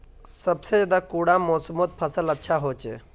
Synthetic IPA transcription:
səbsed͡ʒed̪akuɽãmosəmot̪̚pʰəsələtːʃʰaɦot͡ʃe

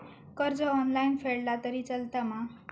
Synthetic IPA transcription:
kʌrd͡zʌːnlajnpʰeɽːat̪ʌɾit͡sʌlt̪ama

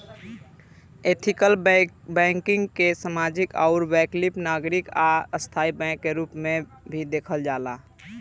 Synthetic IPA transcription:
et̪ʰikəlbɛ̃ŋkɪŋɡkesəmad͡ʒikɔʊɾbɛklipnaɡɾikaəst̪ʰaːibɛ̃kːeɾupme | bʱid̪eːkʰəld͡ʒaːla

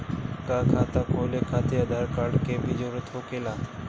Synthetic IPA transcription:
kaːkʰaːt̪aːkoːleːkʰaːt̪eːəd̪aːɾkaːɾɖkeːbʱiːd͡ʒoːɾət̪oːkeːlaː

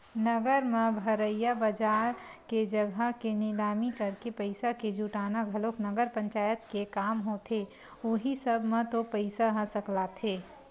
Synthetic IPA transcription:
nəɡəɾmẽbʱəɾəjabəd͡ʒaːɾked͡ʒəɡʱəkenɪlaːmikəɾkepəɪsaked͡ʒuʈaːnaɡʱəloknəɡəɾpə̃ɲt͡ʃaːjət̪kekaːmɦot̪ʰe | oːɦisəbʱmẽt̪opəɪsaɦə̃səklat̪ʰeː

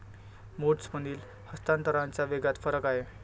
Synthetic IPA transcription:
moʈt͡sməniːl | həst̪ant̪əɾãɲt͡ɕjaʋeɡat̪fəɾəkaɦe

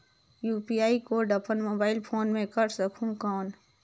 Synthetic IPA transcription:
juːpiaːikoɖəpʰənmoːbaːɪlpʰoːnmẽkəɾsəkʰũkɔːn

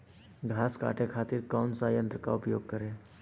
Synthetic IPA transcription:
ɡʱaːska̰ːʈekʰaːt̪ɪɾkɔːnsaːjə̃nt̪ɾəka̰ʊpjoːɡ̚kəɾẽː

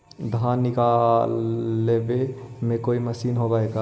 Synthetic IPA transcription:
d̪ʱanːɪkalːebe | mẽkoiməsiːnɦobaːeɡa

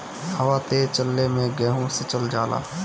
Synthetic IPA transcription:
həʋaːt̪eːt͡ʃəlːeːmẽɡɛːɦõsɪt͡ʃəld͡ʒaːla̰ː

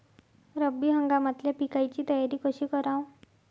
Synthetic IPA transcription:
ɾəbːiːɦəŋɡamat̪ljapikajt͡ɕiːt̪əjaɾiːkəɕiːkəɾãw

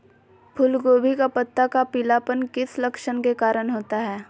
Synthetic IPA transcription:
pʰʊlɡoːbʱikapɐt̪ːakapɪlaːpənkɪslɐkʃənkekaːɾənɦoːt̪aɦɛː

